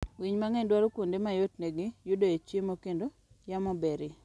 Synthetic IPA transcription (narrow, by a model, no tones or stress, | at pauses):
wiɲmaŋendwaɾokondemajotneɡɪjʊdoet͡ʃemokendo | jamɔbeɾɪ